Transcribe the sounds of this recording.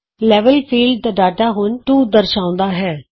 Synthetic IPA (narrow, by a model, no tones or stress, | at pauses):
lɛːʋəlpʰiːlɖd̪aːɖaːʈaːɦʊnʈuːd̪əɾʃãːʊ̃nd̪aːɦɛː